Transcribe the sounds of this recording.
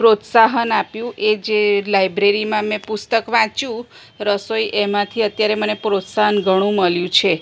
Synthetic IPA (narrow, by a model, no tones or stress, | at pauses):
pɾot̪saɦənapjũʔed͡ʒelajbɾeɾimãmẽpust̪əkʋãt͡ʃũ | ɾəsojʔemãt̪ʰiət̪jaɾemənepɾot̪saɦənɡʱəɽ̃ũməljũt͡ʃʰe